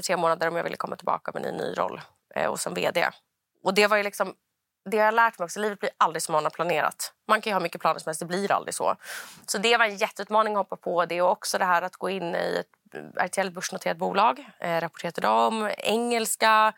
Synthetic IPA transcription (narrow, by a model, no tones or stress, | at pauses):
ʈʰɾeːmoːnad̪əɾɔmja̰vɪ̰lːəkʰɔmːat̪ʰɪlbɑ̰ːkamɛ̰nɪ̰nːy̰ːɾɔ̰lː | ɔ̰sɔmvḛːd̪ḛː | ɔd̪ɛvajlɪksɔm | d̪ɛhaɾjalæːʈmɛjɔksɔliːvət̪̚lɪɾʔald̪ɾɪɡsɔmːoːnad̪pʰlaneːɾa̰t̪mankʰanjəhɑːmʏkːəpʰlɑːnəʂɔmɛlstd̪ɛblɪɾa̰ld̪ɾɪɡsɔ̰sɔd̪ɛvaɾɛnjɛt̪ːəʉːt̪mɑːnɪŋɔhɔpːapʰɔd̪ɛɔɔksɔd̪ɛɦæːɾat̪ɡoːɪnːɪ̰ɛ̰t̪ | æ̰ɾʈʰɛɛlt̪̚bɵʂɳʊt̪ʰeːɾat̪̚buːlɑːɡɾapɔ̥ʈʰeːɾad̪əd̪ɔmɛŋːɛlska